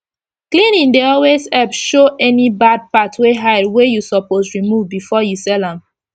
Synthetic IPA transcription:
klĩnĩndeɔlwezɛpʃoʔɛnibad̚patʰweɦaɪdwejusɔposɹimuvbifɔjusɛlãm

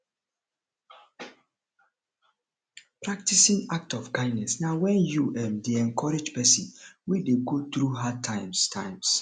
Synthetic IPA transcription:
pɹak̚tisĩŋak̚tɔfkãɪ̃dnɛsnawɛ̃njuʔɛ̃mdeɛ̃nkʰɔɾed͡ʒpɛsĩnwideɡot̪ɾuɦatʰãɪmstʰãɪ̃ms

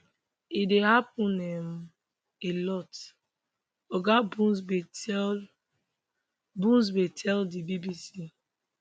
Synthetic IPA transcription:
idehap̚ũnɛm | elɔt | oɡabub | bũns̬betʰɛldibibisi

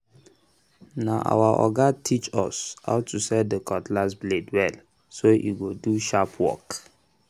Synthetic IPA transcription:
naʔa̰waʔɔ̰ɡatʰit͡ʃɔ̰sha̰ʊtusɛdəkɔtlasbledwɛl | soʔḭɡoduʃapʰwɔ̰k

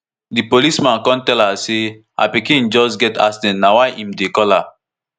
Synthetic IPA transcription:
dipolismãnkɔ̃ntɛlase | a̰pikĩnd͡ʒɔsɡɛtasdɛ̃nnawaɪʔĩmdekɔla

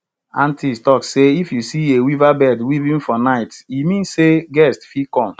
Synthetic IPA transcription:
ãntʰistɔkseifjusiewivabɛdwivĩnfɔnaɪtimĩnseɡɛstfikɔ̃m

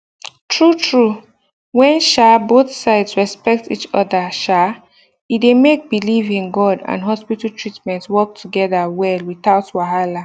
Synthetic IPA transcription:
tʰɹutʰɹu | wɛ̃nʃaboθsaɪdsɹɛspɛk̚tḭt͡ʃɔðəʃa | idemek̚bilivĩnɡɔdã̰nɦɔspitatʰɹitmɛ̃ntwɔk̚tʰuɡɛðawɛlwiθaʊtwaɦala

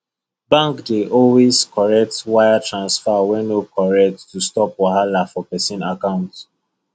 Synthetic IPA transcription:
bãŋkdeʔɔlweskʰɔɹɛk̚twaɪatʰɹãnsfawɛ̃nokʰɔɹɛk̚tːustɔpwahalafɔpɛsĩnakãʊ̃nt

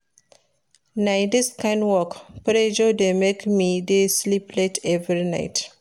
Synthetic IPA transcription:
najdiskãnwɔkpɾed͡ʒodemekmideslipletʰɛvɾina̰ɪt

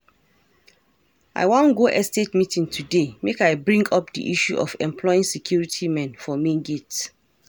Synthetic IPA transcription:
a̰ɪwɔ̃nɡoʔɛstetmitĩŋtʰudemekaɪbɹĩŋɡɔp̚dḭʔiʃuʔɔ̰fɛ̃mpʰlɔɪĩnsɛkʰjuɹitʰimɛ̃nfɔmĩnɡet

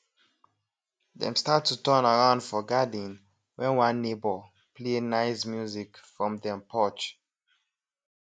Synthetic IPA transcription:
dɛ̰̃mstattːutɜnaɹãʊ̃ndfɔɡadĩn | wɛ̃nwãnːebɔ | plenaɪsmjuzikfɹɔ̃mdɛ̃mpʰɔt͡ʃ

